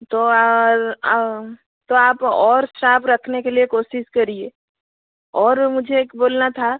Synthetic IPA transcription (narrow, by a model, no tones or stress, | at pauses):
t̪oɾ | t̪oaːpɔːɾsɾaːpɾɐkʰnekeliekoːsɪʃkɐɾieː | ɔːɾmʊd͡ʒʱekboːlnat̪ʰa